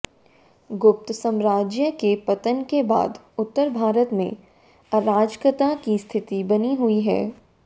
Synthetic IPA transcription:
ɡʊp̚t̪sə̃mɾaːd͡ʒjəkepɐt̪ənkeba̰ːd̪ | ʊt̪ːəɾbʱaːɾət̪mẽ | ɐɾaːd͡ʒkɾɪt̪akist̪ʰɪt̪ibɐniɦuiɦɛ̰ː

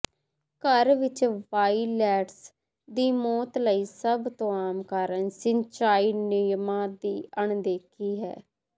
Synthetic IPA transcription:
kəɾʋɪt͡ʃʋaːiːlɛːʈs | d̪iːmɔːt̪ləiːsəbt̪õːaːmkaːɾənsɪɲt͡ʃaːiːnɪjmãːd̪iːəɳd̪eːkʰiːɦɛ̰ː

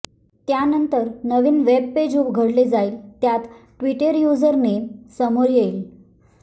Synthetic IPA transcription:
t̪janənt̪əɾnəʋiːnʋeb̚ped͡ʑubɡʱəɽled͡zaiːlt̪jat̪ʈʋiʈəɾjud͡zəɾnesəmoɾjel

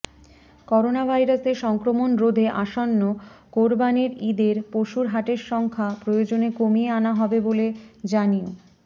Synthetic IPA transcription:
kɔɾonabʱajɾaseɾʃɔŋkɾomonɾod̪ʱeʔaʃonːokoɾbaneɾid̪eɾpoʃuɾɦaʈeɾʃɔŋkʰapɾojod͡ʑonekomieanaɦɔbeboled͡ʑanio

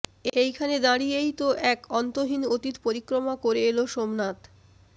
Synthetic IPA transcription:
ejkʰaned̪aɽijejt̪oʔɛkɔnt̪oɦinot̪it̪poɾikːɾomakoɾeeloʃomnat̪

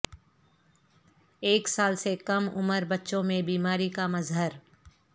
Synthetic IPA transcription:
eːksaːlsekɐmʊ̰məɾbɐtːʃõmẽbiːmaːɾikamɐzɦəɾ

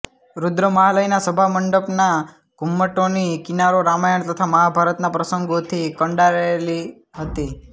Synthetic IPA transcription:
ɾud̪ɾəməɦaləjnasəbʱaməɳɖəpna | ɡ̥ʱumːəʈonikinaɾoɾamajəɳt̪ət̪ʰaməɦabʱaɾət̪napɾəsəŋɡot̪ʰikəɳɖaɾəeli | ɦət̪i

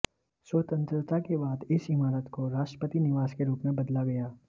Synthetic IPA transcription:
swəːt̪ə̃nt̪ɾət̪akebaːd̪ɪsɪmaːɾət̪koɾaːʃʈɾəpət̪inɪʋaːskeɾuːpmẽbɐd̪laɡɐjaː

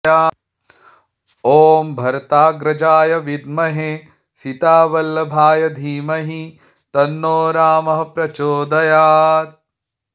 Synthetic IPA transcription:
aː | oːmbʱɐɾt̪aːɡɾɐd͡ʒaːjɐʋid̪mɐɦe | sit̪aːʋɐlːɐbʱaːjɐd̪ʱiːmɐɦi | t̪ɐnːoːɾaːmɐɦɐpɾɐt͡ʃoːd̪ɐjaːt̪̚

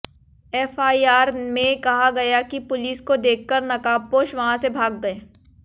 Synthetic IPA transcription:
ɛːfaːiaːɾmẽkɐɦaɡɐjakipʊliːskod̪eːkʰːəɾnɐkaːpoːʃʋɐɦãsebʱaːɡ̚ɡɐeː

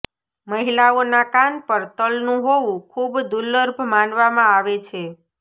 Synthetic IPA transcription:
məɦilaonakanpəɾt̪əlnũɦoʋũkʰubd̪ulːəɾbʱmanʋamãaʋet͡ʃʰe

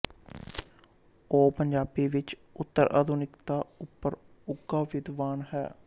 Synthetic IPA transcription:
oːpəɲd͡ʒaːbiːʋɪt͡ʃʊt̪ːəɾʔə̰d̪unɪkt̪aːʊpːəɾʊɡaːʋɪd̪ʋaːnhɛ̰ː

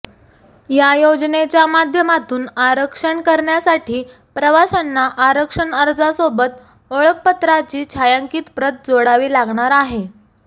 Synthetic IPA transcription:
jajod͡znet͡ɕjamad̪ʱjəmat̪uːnaɾəkʂəɳkəɾɳjasaʈʰiː | pɾəʋasanːaʔaɾəkʂəɳəɾd͡zasobət̪ | oɭək̚pət̪ɾat͡ɕiːt͡ɕʰajaŋkiːt̪pɾət̪̚d͡zoɽaʋiːlaɡɳaɾaɦe

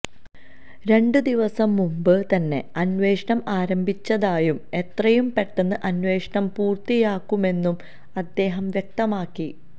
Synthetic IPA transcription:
ɾe̞ɳɖɨd̪iʋɐsɐmːumbɨt̪ɐnːe̞ɐnʋe̞ːʂɐɳɐmaːɾɐmbʱit͡ɕːɐðaːjume̞t̪rɐjumpe̞ʈːenːɨʔɐnʋe̞ːʂɐɳɐmpuːrt̪ijaːkːume̞nːum | ɐd̪ːe̞ːɦɐmʋjek̚t̪ɐmaːkːi

